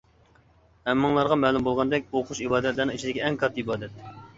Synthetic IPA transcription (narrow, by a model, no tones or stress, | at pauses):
hɛmːɨŋlˠɑɾʁɑmɛlumbolˠʁɑnd̪ɛkʲoqʰuʃibɑːd̪ɛt̪lɨɾnɪ̃ŋit͡ʃʰid̪ɪkʲiɛŋkʰɑɾt̪ibɑːd̪ɛt̪